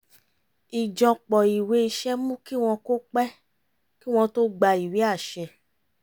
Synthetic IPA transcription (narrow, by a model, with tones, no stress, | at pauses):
i˨d͡ʒɔ̃˨k͡pɔ˨i˨we˨˧˦i˧ʃɛ˦mũ˦ki˦w̃ɔ̃˧ko˦k͡pɛ˦ | ki˦w̃ɔ̃˧to˦ɡ͡ba˧i˨wi˨˦a˦˨ʃɛ˧